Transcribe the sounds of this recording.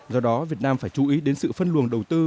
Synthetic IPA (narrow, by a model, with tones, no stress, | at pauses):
zɔ˧ɗɔ˨˦vi˨˩ət̚naː˧mfaː˧˩jt͡ɕu˨˦ʔi˨˦ɗe˨˦nsɨ̰˧˨fə˧nlu˨˩ənɗə˨˩wt̪ɨ˧